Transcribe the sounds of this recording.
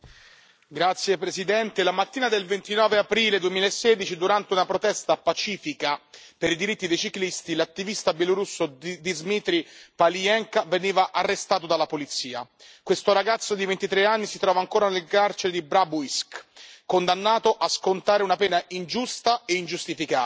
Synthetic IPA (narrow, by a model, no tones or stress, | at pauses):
ɡɾat̪sːjepɾesid̪ɛnt̪elamat̪ːiːnad̪elvent̪inɔːveapɾiːled̪uemiːlaesːeːd̪it͡ʃid̪uɾant̪eunapɾot̪ɛst̪apat͡ʃiːfikapeɾid̪iɾit̪ːid̪ejt͡ʃiklist̪ilat̪ːivist̪abjeloɾusːod̪izmit̪ɾipaliɛŋkaveniːvaʔarːest̪aːt̪od̪alapolit̪siːa̰ | kwest̪oɾaɡat̪sːod̪ivent̪it̪ɾeanːisit̪ɾɔːvaːŋkoːɾanelkart͡ʃeɾed̪ibɾabuiskkond̪anːaːt̪oʔaskont̪aːɾeunapɛːnaind͡ʒust̪aeind͡ʒust̪ifikaː